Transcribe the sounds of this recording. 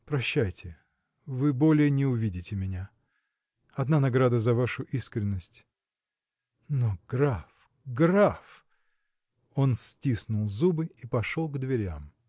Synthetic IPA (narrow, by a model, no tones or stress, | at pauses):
pɾɐɕːæjtʲɪ | vɨbolʲɪjənʲɪʊvʲidʲɪtʲɪmʲɪnʲa | ɐd̪nanɐɡɾad̪əzɐvaʂʊʔiskɾʲɪnːəsʲtʲ | noɡɾaf | ɡraf | o̞nsʲtʲisnʊlˠzubɨipɐʂolˠɡd̪vʲɪɾʲa̰m